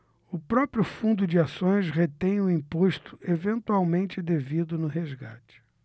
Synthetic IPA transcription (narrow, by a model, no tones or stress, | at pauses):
ʊpɾɔpɾjʊffũnd̪ʊd͡ʒɪasõj̃sʁet̪ẽj̃ʊĩpoʃt̪ʊ̥evẽnt̪uawmẽnt͡ʃɪd̪evid̪ʊnʊɦezɡa̰t͡ʃɪ̥